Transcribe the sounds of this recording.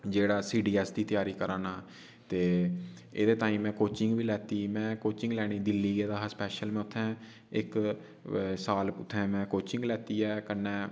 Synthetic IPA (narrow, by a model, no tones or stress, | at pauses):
d͡ʒeːɽaːsiːɖiːɛːsd̪iːt̪jaːɾiːkəɾaːnaː | t̪eː | ḛːd̪eːt̪aːĩːmɛ̃ːkoːt͡ʃɪŋɡʋiːlɛːt̪iːmɛ̃ːkoːt͡ʃɪ̃ŋɡlɛːɽ̃iːd̪ɪlːiːeːd̪aɦspɛːʃəlmɛ̃ːʊt̪ʰːɛ̃ː | ɪk | saːlʊt̪ʰːɛ̃ːmɛ̃ːkoːt͡ʃɪ̃ŋɡlɛːt̪iːɛːkənːɛː